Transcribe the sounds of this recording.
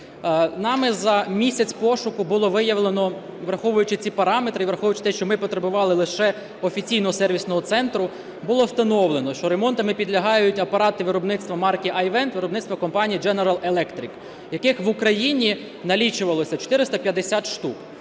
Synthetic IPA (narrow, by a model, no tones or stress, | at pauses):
nɑmɪzɐmʲisʲɐt͡sʲpɔʃʊkʊbʊlˠɔʋɪjɐʋlˠenɔ | ʋɾɐxɔʋʊjʊt͡ʃɪt͡sʲipɐɾɑmet̪ɾɪiʋɾɐxɔʋʊjʊt͡ʃɪ̥t̪ɛʃt͡ʃɔmɪpɔt̪ɾebʊʋɑlˠɪlˠɪʃɛ | ɔfʲit͡sʲijnɔɦɔsɛrʋʲisnɔɦɔt̪sɛnt̪ɾʊ | bʊlˠɔst̪ɐnɔʋlˠenɔʃt͡ʃɔɾemɔnt̪ɐmɪpʲid̪lʲɐɦɑjʊtʲɐpɐɾɑt̪ɪʋɪɾɔbnɪt̪st̪ʋɐmɑrkʲiʔɐjʋɛnt̪ʋɪɾɔbnɪt̪st̪ʋɐkɔmpɑnʲijid͡ʒɛneɾɐlˠelˠɛkt̪ɾʲik | jɐkɪxʋʊkɾɐjinʲi | nɐlʲit͡ʃʊʋɐlˠɔsʲɐt͡ʃɔ̥t̪ɪɾɪst̪ɐpʲjɐd̪esʲɑt̪ʃt̪up